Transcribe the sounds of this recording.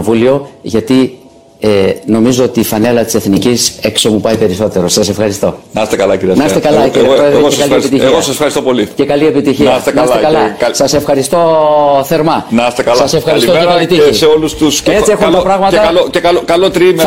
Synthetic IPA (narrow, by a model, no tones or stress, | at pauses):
vulio̞ʝɐt̪i | eno̞mizo̞ot̪iːfɐne̞lɐt̪i̥seθnicise̞kso̞mupɐjpe̞ɾiso̞t̪e̞ɾo̞sɐse̞fxɐɾist̪o̞nɐst̪ekɐlɐciɾiɐnɐsst̪ekɐlɐciiɾiɐpɾoeðɾeoekɐliepit̪içeɣiossɐsefxɐɾist̪opolice̞kɐlie̞pit̪içiɐst̪nɐslsekɐlɐɐsɐse̞fxɐɾist̪o̞θe̞ɾmɐnɐst̪ekɐlsɐsefxɐɾisit̪oeɐlit̪iiseolust̪uscet͡siexuɐɐpɾɐɣmɐt̪ɐocekɐlkɐlot̪ɾim